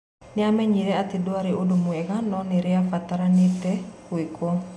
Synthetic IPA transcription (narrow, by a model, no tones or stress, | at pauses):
neamɛɲiɾɛatedoaɾeodomwɛɣanɔneɾeafataɾanetɛkwekʰɔ